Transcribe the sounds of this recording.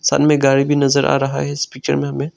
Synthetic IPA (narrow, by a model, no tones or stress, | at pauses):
sa̰ːlmẽɡaːɽibʱinɐzəɾʔa̰ːɾɐɦa̰ɦɛɪspiːk̚t͡ʃə̰ɾmẽɦɐmẽː